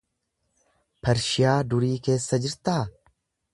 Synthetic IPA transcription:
pɐɾʃɪjaːd̪ʊɾiːke̞ːsːɐd͡ʒɪɾt̪aː

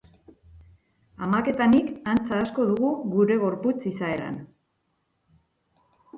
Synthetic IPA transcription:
amake̞t̪anikant͡saːsko̞ðuɣuɣuɾe̞ɣ̞o̞ɾput͡sisaeɾa̰n

